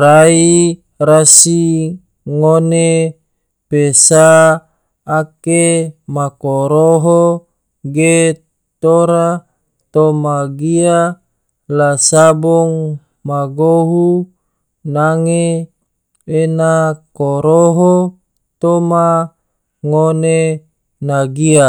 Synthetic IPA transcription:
ɾai | ɾasi | ŋone | pesaː | kemakoɾoɦo | ɡe | t̪oɾa | t̪omaɡia | lasabɔŋ | maɡoɦu | naŋe | enakoɾoɦo | t̪oma | ŋone | naɡia

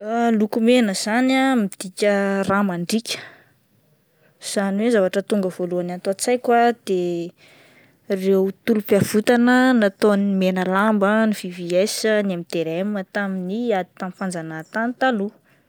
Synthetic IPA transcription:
alukumenəz̥anamid̪̥ikʲəramaɳɖ͡ʐikʲə̥ | z̥aniwezavaʈ͡ʂət̪uŋɡəv̥oluanant̪oat͡sajkwad̪̥e | rewt̪ulupavut̪anənat̪onmenəlambəniv̥iviasənamit̪eɾemət̪aminiad̪i̥t̪amfand͡zanat̪ant̪alu

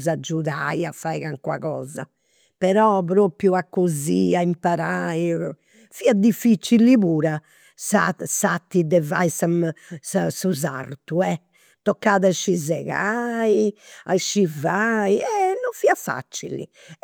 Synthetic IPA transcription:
zad͡ʒːuðaiafːaiɣaŋkwa̰ɣɔ̰ːza̰ | pɛɾɔpɾoːpɾjuakːoziaimpaɾai | fiːad̪ifːit͡ʃːiliβuːɾa | sasat̪ːid̪ɛva̰isamsasuza̰rt̪uɛ | t̪ɔkːaːðaʃːizɛɣaia̰ʃːivaiɛnːɔɱfiːafa̰t͡ʃḭlḭ

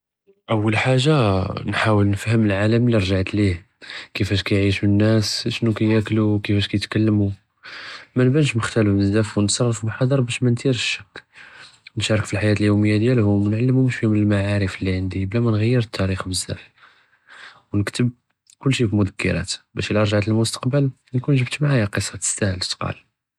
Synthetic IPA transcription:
ʔəwːəlħaʒːanħawəlnəfhəməlʕaləmliɾˤʒaʕət̪lih | kəfæʃkæjʕiʃmənːæsʃnukæjæklukəfæʃkæjət̪kælːmu | mænbænʃməxt̪æləfbəzːæfwnət̪sˤɑrˤːɑfbəlħɑd̪ˤɑɾˤbæʃmænt̪iɾʃʃːəkː | nʃɑɾˤəkfilħajæt̪əljuwməjːad̪jælhʊmnʕalːəmumuʃfihʊməlmaʕaɾəflːiʕənd̪iblæmænɣæjːəɾət̪ʰːæɾixbəzːæ̰f | wnəkt̪əb̚ | kʊlːʃifilmʊd̪əkːə̰ɾæ̰t̪bæʃilʔɑɾˤʒʕat̪əlmʊst̪ɑ̥qbəl | nkunʒəbt̪maʕajæqəsˤːɑt̪ə̥st̪æhəlʃt̪qɑ̰l

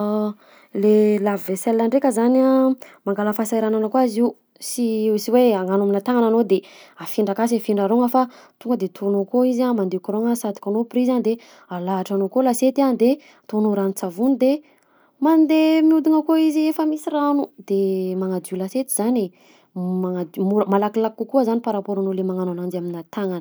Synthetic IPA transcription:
lelavivesɛlːaɳɖ͡ʐekʲəzanamaŋɡaləfasajɾananakwazi | siisiweaŋanuminat̪aŋananod̪eafiɳɖ͡ʐakas̬afiɳɖ͡ʐaɾoŋəfa | t̪uŋɡəd̪et̪ʰonokoizamand̪ekoɾoŋəsat̪i̥kʲanoprizand̪e | alaɦaʈ͡ʂanokolaset̪iand̪e | t̪onuɾanut͡savunid̪e | mand̪emiud̪iŋəkoiziefəmisiranud̪emaŋad͡zulaset̪i̥z̥ane | maŋad̪muɾəmalakilakːukuəzanipaɾapoɾanolemaŋananand͡ʒaminat̪aŋanə̥

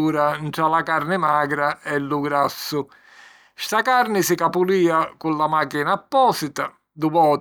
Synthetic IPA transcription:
uːɾanʈalakaɾnɪmaːɡɾaɛlːuɡɾasːʊ | ʃt̪akaɾnɪsɪkapuliːakulːamaːkinapːɔːsɪt̪a | d̪uvɔː

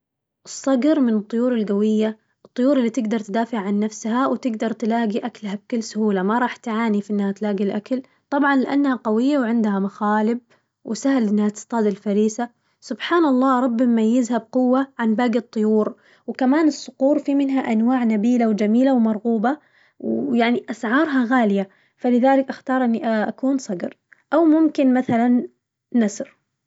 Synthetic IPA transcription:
ʔɨsˤːɑɡɾmɪnɨt̪ˤːʊjuːɾɪlɡawɪjːa | ʔɨt̪ˤːʊjuːɾɪlːiːt̪ɪɡd̪ɑɾˤt̪ɪd̪aːfɪʕʕanːafshawt̪ɪɡd̪ɑɾˤt̪laːɡiʔaklhab̚kʊlːsʊhuːlamaɾˤɑːħt̪ʕaːnifiʔɪnːhat̪laːɡilʔakal | t̪ˤɑbʕɑnlɪʔa̰nːhaqawɪjːawʕɪnd̪hamaxaːlɪb̚ | wɪsahlʔɪnːhat̪ɪ̥st̪ˤɑːd̪ɪlfaɾiːsa | sʊbħaːnɑlˤːɑːɾˤɑbːɪmmajːɪzhab̚qʊwːaʕanbaːɡɨt̪ˤːʊjuːɾ | wkamaːnɪsːʊquːɾfimɪnɦaʔanwaːʕnabiːlawd͡ʒamiːlawmɑɾˤɣuːba | wjaʕniʔasʕɑːɾˤɦɑɣaːlɪja | falɪðaːlɪkʔaxt̪ɑːɾˤʔɪnːiʔʔa̰kuːnsˤɑɡɾ | ʔawmʊmkɪnmaθalanː | asɾ

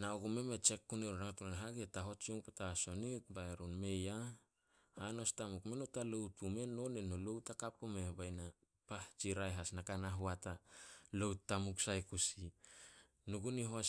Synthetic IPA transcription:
naokumemet͡ʃe̞kːuneɾuɾaŋatunanɦaɡietaɦo̞t͡ʃiuŋpetaso̞nit̚baeɾunme̞ja | hano̞stamukmenotaloutume̞nonenolowtakap̚kumebajna | paht͡ʃiɾajɦasnakanaɦuatalowtːamuksajkusi | nuɡuniɦos

